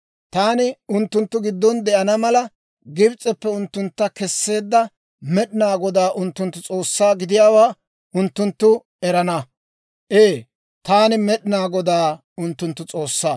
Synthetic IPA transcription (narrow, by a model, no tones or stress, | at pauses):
t̪aːnɪʊnt̪ːʊnt̪ːʊɡɪd̪ːɔnd̪ɛʔɐnɐmɐlɐ | ɡɪbt͡sʼːɛpːɛʊnt̪ːʊnt̪ːɐkɛsːe̞ːd̪ːɐ | mɛɗɪnaːɡɔd̪aːʔʊnt̪ːʊnt̪ːʊt͡sʼo̞ːsːaːɡɪd̪ɪjaːwaː | ʊnt̪ːʊnt̪ːʊ | ɛɾɐnɐ | ʔeː | t̪aːnɪmɛɗɪnaːɡɔd̪aː | ʊnt̪ːʊnt̪ːʊt͡sʼo̞ːsːaː